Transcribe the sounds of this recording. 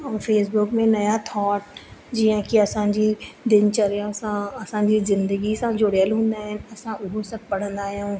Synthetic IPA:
ɔːɾfeːs̬bʊkmẽnɐjat̪ʰɔːʈ̚d͡ʑiɦãkiɐsãd͡ʑid̪ɪnt͡ʃɐɾjasãɐsãɲd͡ʑizɪ̃nd̪əɡisãd͡ʑʊɽjəlɦũːn̆d̪aːɦɪnɪ̆ɐsãʔʊɦosɐb̚pɐɽ̤ə̃nd̪aːɦijõː

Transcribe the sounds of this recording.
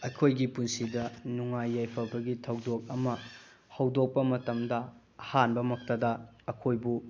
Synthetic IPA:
ɐkʰojɡipunsidɐnuŋajːajpʰɐbɐɡitʰɐwdok̚ɐmɐ | hɐwdok̚pɐmɐtɐmdɐ | hanbɐmɐk̚tɐdɐɐkʰojbu

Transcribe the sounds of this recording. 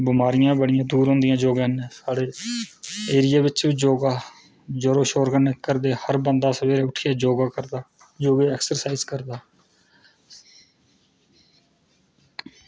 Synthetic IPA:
bɪmaːɾɪjãːbəɽɪjãːd̪uːɾɦõːnd̪ɪjãːd͡ʒoːɡeneːsaːɽeː | eːɾɪjaːbɪt͡ʃʋiːd͡ʒoːɡaː | d͡ʒəɾoːʃoːɾɡənekːəɾd̪eːhəɾbənd̪aːsəʋeːɾeːʊʈʰɪjaːd͡ʒoːɡaːkəɾd̪aː | d͡ʒoːɡeːɛːksəɾsaːizkəɾd̪aː

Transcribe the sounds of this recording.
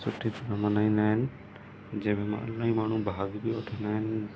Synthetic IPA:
sʊʈʰit̪ɐɾɐmɐnaːĩːnd̪aːɦɪnɪ̆ | d͡ʑɐ̃ɦmɪmã̰ɐ̰laːĩmaːɳ̤ũbʱaːɡbioʈʰə̃nd̪aːɦɪnɪ

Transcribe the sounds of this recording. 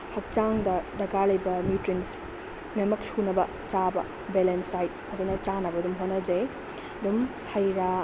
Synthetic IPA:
hɐk̚t͡ʃaŋdɐdɐɡaɾlɐjbɐmjutɾins | memɐk̚sunɐbɐ | t͡ʃabɐ̰ | belensɾaj | ɐzenɐt͡ʃanɐbɐdumɦonːɐd͡ʒej | ɐdum | hɐjɾa

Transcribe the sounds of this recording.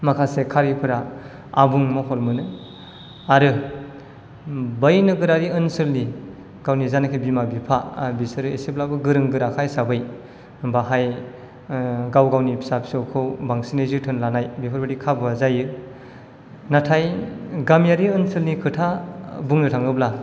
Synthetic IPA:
makʰasekʰaɾipʰɯɾa | abuŋmɔɦɔlmɯnɯ | aɾɯ | bajnɯɡɯɾaɾiɯnsɯlni | ɡ̥awnizanakʰibimabipʰabisɯɾɯesep̚labɯɡɯɾɯŋɡɯɾakʰajsabɯj | baɦaj | ɡawɡawnipʰi̥sapʰi̥sowkʰɯwbaŋsinezɯtʰɯnlanajbipʰaɾbɯdikʰabazajɯ | natʰajɡamjaɾiɯnsɯlnikʰɯtʰabuŋnɯtʰaŋɯbla

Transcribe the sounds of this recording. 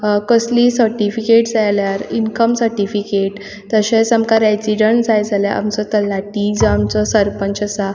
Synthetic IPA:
kəslisəɾʈifikeʈd͡zajljaɾinkəmsəɾʈifikeʈ | t̪əɕesəmkaɾad͡ziɖəɳd͡zajd͡zʱaljaʔa̰mt͡sɔt̪əlaʈid͡zamt͡sɔsəɾpənt͡ɕəsa

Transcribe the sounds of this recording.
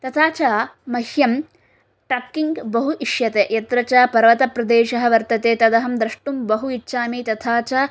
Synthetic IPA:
t̪ɐt̪ʰaːt͡ʃaːmɐhjɐm | ʈakːiŋɡbɐɦuʔiʂjɐt̪eːʔjɐt̪ɾɐt͡ʃaːpɐɾʋɐt̪ɐpɾɐd̪eːʃɐɦɐ̆ʋɐɾt̪ɐt̪eːt̪ɐd̪ɐɦɐmd̪ɾɐʂʈumbɐɦuitːʃaːmiːt̪ɐt̪ʰaːt͡ʃaː

